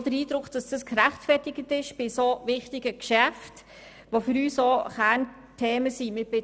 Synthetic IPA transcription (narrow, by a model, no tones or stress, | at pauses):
d̥əɾiːd̥ɾʊkd̥ɑsd̥ɑskɾæχtfɛtɪɡətɪʃb̥ɪsovɪχtɪɡəkʃæft | ʋofʏɾyːsoχæːɾn | tʰeːməsimɪb̥ɪ